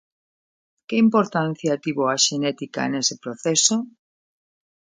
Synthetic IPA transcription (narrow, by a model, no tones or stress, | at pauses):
kɪimpoɾt̪an̟θjat̪iβoaʃenɛt̪ika̰enesepɾoθeso